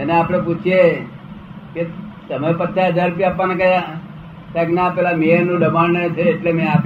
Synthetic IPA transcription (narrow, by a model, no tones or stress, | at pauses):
eneapɽ̃eput͡ʃʰije | ket̪əməɾpət̪ʰːaəd͡ʒaɾpijapənekəja | kajknapɛlameəɾnũɖəmannet͡ʃʰeːʈlemẽap